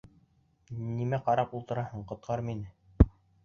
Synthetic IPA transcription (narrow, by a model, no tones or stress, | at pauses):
nimæqɑɾɑpulˠt̪ɤ̆ɾɑhɤ̆ɴqŏt̪̚qʰɑɾɤminɘ